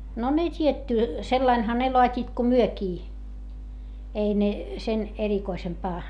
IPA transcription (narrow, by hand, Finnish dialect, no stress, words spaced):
no ne tʲietːy selːɑinhɑ ne loɑtʲiːt ko myøkiː ei ne sen erikoisempɑː